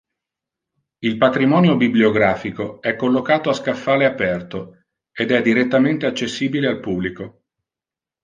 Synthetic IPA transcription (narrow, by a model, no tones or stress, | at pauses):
ilpat̪ɾimɔːnjobiblioɡɾaːfikoɛkːolːokaːt̪oaskafːaːleapɛrt̪o | ed̪ɛd̪ːiɾet̪ːament̪eat͡ʃːesːiːbilealpubːliko